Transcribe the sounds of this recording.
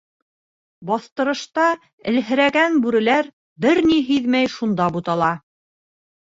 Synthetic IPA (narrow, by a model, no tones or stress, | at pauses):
bɑθt̪ɤ̆ɾɤ̆ʃt̪ɑ | ɘ̰̆lɦɘ̆ɾæɡænbʉɾɘ̆læɾ | bɘɾniɦiðmæjʃund̪ɑbut̪ɑlˠɑ